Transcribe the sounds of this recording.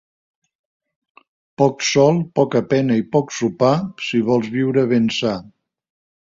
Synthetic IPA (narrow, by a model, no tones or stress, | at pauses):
pɔksɔlˠpɔkəpɛnəipɔksupasiβ̞ɔlˠzβiwɾəβənsa